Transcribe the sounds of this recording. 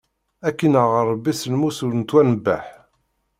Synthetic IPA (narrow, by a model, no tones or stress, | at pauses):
ækːinəʁərˤːbːisəlmusulənt̪wænəbːæħ